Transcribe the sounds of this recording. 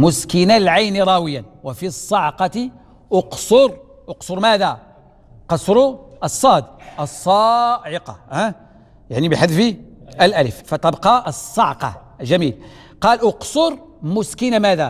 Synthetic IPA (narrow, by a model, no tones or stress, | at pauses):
mʊskinalʕajniɾˤɑwəjːanwəfisˤːɑʕqɑt̪i | ʔoqsoɾ | ʔoqsˤoɾˤmæd̪æ | qɑsˤɾʊʔəsˤːɑd̪ʔəsˤːɑʕɪqɑ̰hæ | jaʕnibəħad̪fiəlʔæləffæt̪ɑbqɑsˤːɑʕqɑ̰ | ʒæmil | qɑlʔoqsˤoɾˤmʊskinamæd̪æ